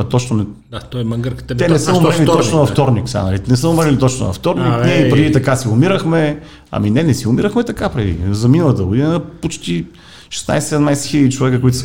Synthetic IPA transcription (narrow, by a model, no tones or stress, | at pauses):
t̪ɔt͡ʃnʊnɛat̪ɔjmɐɡəɾkə̥t̪ɛnɛsəomɾilit̪t̪ɔt͡ʃnonɐft̪ɔɾniksɛa̰nɐlinɛsəʊmɾilit̪ɔt͡ʃnʊ̰nɐ̰ft̪ɔɾniknɛipɾɛd̪it̪ɐkasiʊmiɾəxmɛ | ɐ̰minɛnɛsiʊmiɾəxmɛt̪ɐkapɾɛd̪ḭzɐminəlˠɐt̪əɡʊd̪inəpot͡ʃt̪i | ʃɛ̥sna̰jsɛɛd̪majsɛ̥xilʲəd̪it͡ʃovɛkəkoʊit̪ʊ